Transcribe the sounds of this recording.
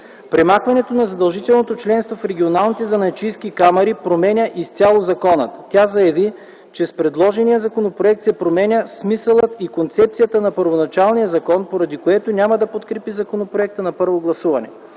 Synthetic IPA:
pɾɛmaxvɐnɛt̪onɐzɐd̪ɐlˠʒit̪ɛlˠnot̪ot͡ʃlɛnst̪vofɾɛɡʲionalˠnit̪ɛzɐnɐt͡ʃijskikamɐɾipɾomɛnʲəʔist̪ʲalˠozɐkɔnə̰t̪t̪ːʲjazɐjɐvi | t͡ʃɛspɾɛd̪lˠɔʒɛnijəzɐkonopɾoɛk̚t̪sɛpɾomɛnʲəsmisəlˠət̪ikont̪sɛp̚t̪sijət̪ənɐpəɾvonɐt͡ʃalˠnijəzɐkɔnpoɾɐd̪ikoɛt̪onʲamɐd̪ɐpot̪kɾɛpizɐkonopɾoɛk̚t̪ənɐpɤɾvoɡlˠɐsuvɐnɛ̰

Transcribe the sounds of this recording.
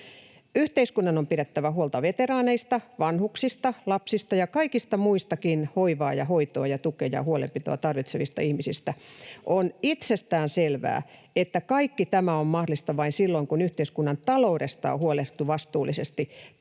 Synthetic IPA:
yht̪eiskunːɑnompiɾet̪ːæʋæhuolt̪ɑʋet̪erɑːneist̪ɑʋɑnhuksist̪ɑlɑpsist̪ɑjɑkɑikist̪ɑmuist̪ɑkinhoiʋɑːjɑhoit̪oɑjɑt̪ukejɑ̰huolḛmpit̪o̰ɑt̪ɑrʋit̪seʋist̪ɑ̰ihmisist̪æʔonit̪sest̪æːnselʋæ̰ː | et̪ːækɑikːit̪æmæommɑhdolist̪ɑʋɑinsilːoiŋkunyht̪eiskunːɑnt̪ɑlouɾest̪ɑ̰ːo̰huoleht̪uʋɑst̪uːlːˑisest̪i

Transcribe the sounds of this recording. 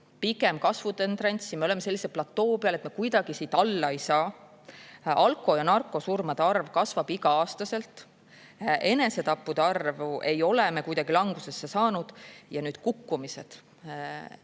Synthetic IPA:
piɡe̞mkɑsvut̪ent̪rɑnʲsime̞ole̞mese̞lːise̞lplɑt̪ːo̞ːpeɑle̞t̪mekujd̪̥ɑɡ̥isiːt̪ɑlːɑe̞jsɑː | ɑlkːˑo̞jɑnɑrkːˑo̞surmɑd̪̥eɑrvkɑsvɑb̥iɡɑɑːst̪ɑse̞lt̪ˑ | ʔe̞ne̞se̞t̪ɑpːud̪̥eɑrvuʔe̞jo̞leme̞kujd̪̥ɑɡ̥ilɑŋɡ̥use̞sːesɑːnud̪̥jɑnyːd̪̥kukːumise̞d̪̥

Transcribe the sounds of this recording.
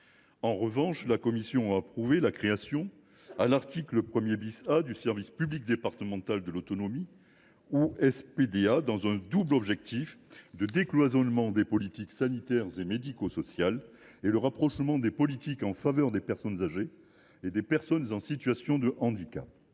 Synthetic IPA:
ɑ̃ʁəvɑ̃ʃlakɔmisjɔ̃aːpχuvelakχeasjɔ̃ | alaʁt̪ʰikləpχəmjebisad̪ysɛʁvispyblik̚d̪epaʁt̪əmɑ̃t̪ald̪əlot̪ɔnɔmi | uɛsped̪ead̪ɑ̃zɛ̃d̪ublɔbʒɛk̚t̪ʰifd̪əd̪eklwazɔnmɑ̃d̪epɔlit̪iksanit̪ɛʁzemed̪ikosɔsjaleləʁapχɔʃmɑ̃d̪epɔlit̪ikɑ̃favœʁd̪epɛʁsɔnzaʒe | ed̪epɛʁsɔnzɑ̃sit̪ɥasjɔ̃d̪əʔɑ̃d̪ikap̚

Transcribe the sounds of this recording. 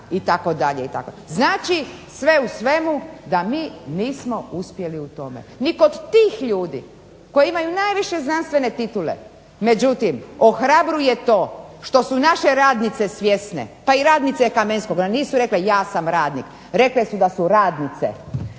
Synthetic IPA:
it̪ako̞d̪aʎeit̪a̰ko̰znaːt͡ʃisʋe̞usʋe̞mud̪amiːniːsmouspje̞liut̪o̞mḛnikod̪t̪iːxʎuːd̪ḭ | ko̞jimajunaːjʋiʃe̞znanst̪ʋe̞ne̞t̪it̪ulḛ | me̞d͡ʒut̪imoxɾabɾujet̪o̞ːʃt̪o̞sunaʃeɾaːd̪nit̪se̞sʋje̞snḛpaiɾaːd̪nit̪sekamenskoɡniːsuɾe̞klejaːsamɾaːd̪nik | ɾe̞klesud̪asuɾaːd̪nit̪sḛ

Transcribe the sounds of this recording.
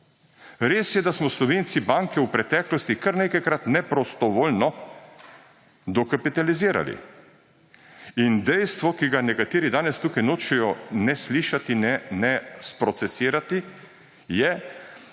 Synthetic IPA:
ɾeːsjɛd̪asmɔslɔʋeːnt̪sibaːŋkɛwpɾɛt̪ɛːklɔst̪ikɐɾnekajkɾat̪nɛpɾɔst̪ɔʋoːlnɔ | d̪ɔkapit̪aliziːɾa̰lḭ | ind̪ɛjst̪ʋɔkiɡanɛkat̪eːɾid̪aːnɛst̪uːkajnoːt͡ʃɛjɔnɛsliːʃat̪inɛnɛspɾɔt̪sɛsiːɾat̪i | jɛ

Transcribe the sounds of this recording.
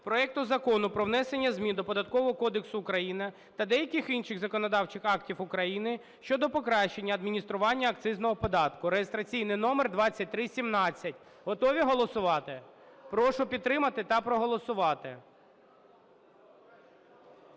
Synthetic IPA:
pɾɔɛk̚t̪ʊzɐkɔnʊpɾɔwnɛsenʲːɐzʲmʲid̪ɔpɔd̪ɐt̪kɔʋɔɦɔkɔd̪eksʊːkɾɐjinɪ | t̪ɐd̪ɛjɐkʲɪxinʃɪxzɐkɔnɔd̪ɑwt͡ʃɪxɑktʲiwʊkɾɐjinɪ | ʃt͡ʃɔd̪ɔpɔkɾɑʃt͡ʃe̞nʲːɐːd̪mʲinʲist̪ɾʊʋɑnʲːɐːkt̪sɪznɔɦɔpɔd̪ɑt̪kʊɾejest̪ɾɐt͡sʲijnɪjnɔmerd̪ʋɑt͡sʲːɐt̚ʲt̪ɾɪsʲimnɑt͡sʲːɐtʲɦɔt̪ɔʋʲiɦɔlˠɔsʊʋɑt̪ɪpɾɔʃʊpʲid̪ːɾɪmɐt̪ɪt̪ɐpɾɔɦɔlˠɔsʊʋɑt̪ɪ

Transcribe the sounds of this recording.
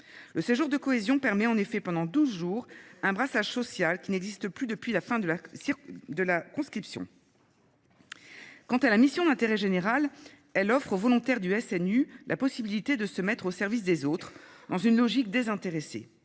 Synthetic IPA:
ləseʒuʁd̪əkɔezjɔ̃pɛʁmɛɑ̃nefɛpɑ̃d̪ɑ̃d̪uzʒuːʁɛ̃bʁasaʒsɔsjalkʲinɛɡzist̪əplyd̪əpɥilafɛ̃d̪əlaid̪əlakɔ̃skχipsjɔ̰̃ | kɑ̃t̪alamisjɔ̃d̪ɛ̃t̪eʁɛʒeneʁal | ɛlɔfχovɔlɔ̃t̪ɛʁd̪yɛsɛnylʔapɔsibilit̪ed̪əsəmɛt̪χosɛʁvis̬d̪ezot̪χd̪ɑ̃zynlɔʒik̚d̪ezɛ̃t̪eʁese

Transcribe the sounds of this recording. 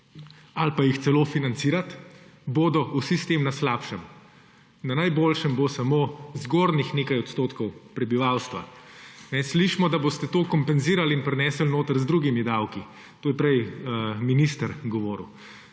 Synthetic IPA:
alpajixt̪sɛloːfinant̪siːɾat̪boːd̪ɔʔusist̪emnaslaːpʃəm | nanajboːlʃəmbosamoːzɡoːɾnixneːkajɔt̪st̪oːt̪kɔwpɾɛbiʋawst̪ʋa̰nɛsliʃmɔd̪aboːst̪ɛt̪oːkɔmpɛnziːɾalinpɾɛnɛsəlnoːt̪əɾzd̪ɾuːɡimid̪awki | t̪oːjɛpɾɛjminist̪əɾɡɔʋoːɾ̰w

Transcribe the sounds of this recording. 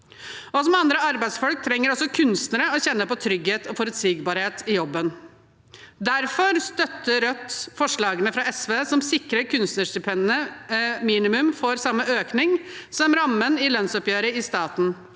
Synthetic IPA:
ɔsɔmɑnd̪ɾəɑɾbæɪsfɔlk̚t̪ʰɾɛŋːəɾɔsɔkʰʉnst̪nəɾəɔɕɛnːəpɔt̪ʰɾʏɡheːt̪ʰɔfɔɾʉt̪siːɡbɑːɾheːt̪ɪjɔbːən | d̪æɾfɔɾst̪œt̪ːəɾœt̪ːfɔʂɭɑːɡənəfɾɑɛsʋeːsɔmsɪkɾəɾkʰʉnst̪nəʂt̪ʏpʰɛnnəmiːnɪmʉmfoɾsɑmːəøːknɪŋsɔmɾɑmːənɪlœnsɔpjøːɾəɪst̪ɑːt̪n̩

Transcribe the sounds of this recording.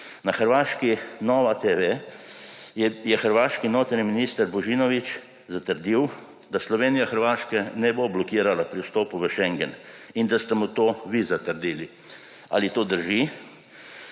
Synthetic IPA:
naxəɾʋaːʃkinɔːʋat̪eʋe | jɛxəɾʋaːʃkinoːt̪ɾniminiːst̪əɾbɔʒiːnɔʋit͡ʃ | zat̪əɾd̪iw | d̪aslɔʋeːnijaxəɾʋaːʃkɛnɛboblɔkiːɾalapɾiust̪oːpuʋəʃɛŋɡɛn | ind̪ast̪ɛmut̪oːʋizat̪əɾd̪iːli | a̰lit̪oːd̪əɾʒi

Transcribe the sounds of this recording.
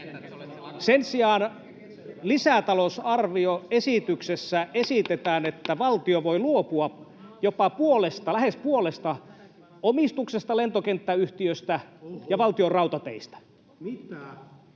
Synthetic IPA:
sensiɑːn | lisæt̪ɑlosɑrʋioesit̪yksesːæesit̪et̪æːnet̪ːæʋɑlt̪ioʋoiluopuɑ | jopɑpuolest̪ɑlæhespuolest̪ɑ | omist̪uksest̪ɑlent̪okent̪ːæyht̪iøst̪æjɑʋɑlt̪iorɑut̪ɑt̪ḛist̪æ̥

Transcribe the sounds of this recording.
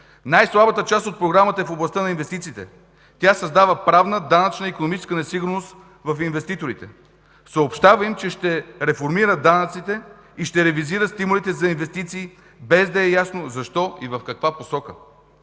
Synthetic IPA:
najslˠabət̪ət͡ʃast̪ot̪̚pɾoɡɾamət̪əɛfoblˠɐst̪ənɐinvɛst̪it̪siːt̪ɛ | t̪ʲasɐzd̪avəpɾavnəd̪anɐt͡ʃnəikonomit͡ʃɛskənɛsiɡʊɾnost̪ | vɐfinvɛst̪it̪oɾit̪ɛ | səopʃt̪avəimt͡ʃɛʃt̪ɛɾɛfoɾmiɾəd̪anɐt̪sit̪ɛ | iʃt̪ɛɾɛviziɾəst̪imʊlit̪ɛzɐinvɛst̪it̪siː | bɛzd̪ɐɛjasnozɐʃt̪ɔivɐfkɐkvaposɔkə

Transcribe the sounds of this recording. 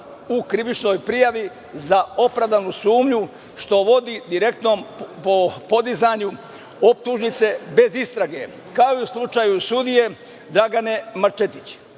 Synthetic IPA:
ukɾiʋit͡ʃno̞ːjpɾijaʋi | zao̞pɾaʋd̪anusuːmʎu | ʃt̪o̞ʋo̞d̪id̪iɾe̞k̚t̪nompopo̞d̪izaɲu | op̚t̪uʒnit̪se̞be̞zist̪ɾaɡe̞ | kaoiuslˠut͡ʃaːjusud̪ije̞ | d̪ɾaɡane̞maɾt͡ʃet̪it͡ɕ

